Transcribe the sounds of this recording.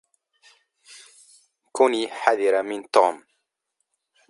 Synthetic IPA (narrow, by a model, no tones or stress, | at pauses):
kuniːħaðɪɾamɪnt̪uːm